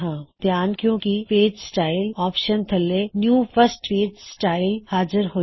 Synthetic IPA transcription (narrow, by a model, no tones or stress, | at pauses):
ɦãːd̪jaːnkjõːkifeːd͡ʒsʈaːɪlɔːpʃənt̪ʰɐlːenjũːfəsʈfeːd͡ʒsʈaːɪlhaːd͡ʒɪɾɦoː